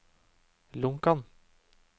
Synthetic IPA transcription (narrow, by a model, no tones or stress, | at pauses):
lʊŋkɑn